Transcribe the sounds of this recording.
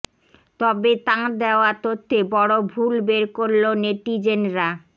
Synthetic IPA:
t̪ɔbet̪ad̪eoat̪ot̪ʰːebɔɽobʱulbeɾkoɾloneʈid͡ʑenɾa

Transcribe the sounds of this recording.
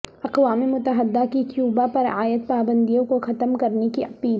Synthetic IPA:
ɐqwaːmemʊt̪əɦəd̪ːakikjuːbapɐɾaːjət̪̚paːbə̃nd̪ijõkoxɐt̪əmkɐɾnekiʔɐpiːl

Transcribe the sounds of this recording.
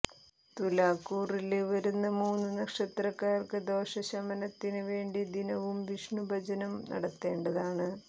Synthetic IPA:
t̪ulaːkːuːrileʋɐɾunːɐmuːnːunɐkʂɐt̪rɐkːaːrkɨd̪o̞ːʂɐɕɐmɐnɐt̪ːinɨʋe̞ːɳɖid̪inɐʋumʋiʂɳubʱɐd͡ʑɐnɐmnʔɐ̰ɽɐt̪ːe̞ːɳɖɐðaːɳɨ

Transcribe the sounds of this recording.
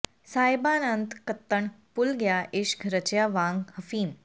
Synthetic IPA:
sajbaːnənt̪kət̪ːəɳpulɡjaʔeʃɡʱɾət͡ɕjaʋãŋɡhɐfiːm

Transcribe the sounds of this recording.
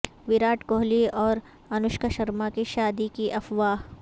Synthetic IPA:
ʋɪɾaːʈkoːɦliɔːɾ | ɐnʊʃkaʃɐɾmakiʃaːd̪ikiʔɐfʋaːɦ

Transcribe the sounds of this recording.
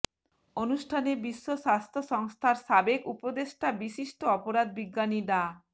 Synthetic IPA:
onuʃʈʰanebiʃːoʃast̪ʰoʃɔŋst̪ʰaɾʃabekupod̪eʃʈabiʃiʃʈoɔpoɾad̪̚biɡːaniɖa

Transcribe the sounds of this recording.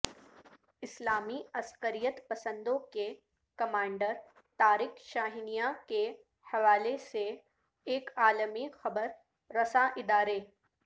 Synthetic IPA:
ɪslaːmiɐskəɾijət̪pɐsə̃nd̪õke | kɐmãːɳɖəɾ | t̪aːɾɪkʃaːɦɪnijake | hɐʋaːlese | eːkaːləmixɐbəɾː | ɐsaʔɪd̪aːɾe

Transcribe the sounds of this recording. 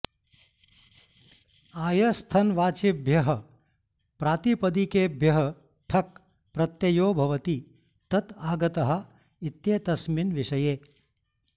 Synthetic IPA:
aːjɐst̪ʰɐnʋaːt͡ʃibʱjɐɦɐ | pɾaːt̪ipɐd̪ikeːbʱjɐɦɐ | ʈʰɐk̚ | pɾɐt̪jɐjoːbʱɐʋɐt̪i | t̪ɐt̪aːɡɐt̪ɐɦɐ̆ | it̪jeːt̪ɐsminʋiʃɐjeː

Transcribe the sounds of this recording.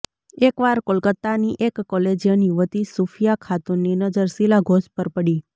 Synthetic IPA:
ekʋaɾkolkət̪ːaniʔekːɔled͡ʒijənjuʋət̪isufʰijakʰat̪unninəd͡ʒəɾsilaɡʱospəɾpəɽi

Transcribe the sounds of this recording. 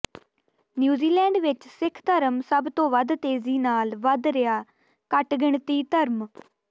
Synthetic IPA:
njuːziːlɛːɳɖʋɪt͡ʃsɪkʰt̪əɾəmsəbt̪õːʋəd̪t̪eːziːnaːlʋəd̪ɾɪjaː | kəʈɡɪɳt̪iːt̪əɾm

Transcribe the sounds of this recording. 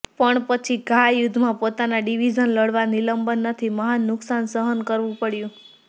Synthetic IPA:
pəɳpət͡ʃʰiɡʱajʊd̪ʱmãpot̪anaɖiʋid͡ʒənləɽʋaniləmbənːət̪ʰiməɦanːʊksansəɦənkəɾʋũpəɽjũ

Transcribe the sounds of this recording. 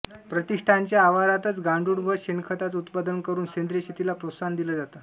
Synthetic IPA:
pɾət̪iʂʈʰaɲt͡ɕjaːʋaɾat̪ət͡sɡãɳɖuɽbʱəɕenkʰət̪at͡sut̪pad̪ənkəɾuːnɕend̪ɾəɕit̪ilapɾosand̪iləd͡zat̪a

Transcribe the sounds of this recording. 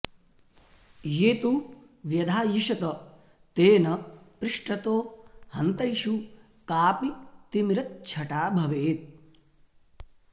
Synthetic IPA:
jeːt̪u | ʋjɐd̪ʱaːjiʃɐt̪ɐ | t̪eːnɐpɾɪʂʈɐt̪oːhɐnt̪ɐjʃu | kaːpit̪imɾɐt̪̚t͡ʃʰɐʈaːbʱɐʋeːt̪̚

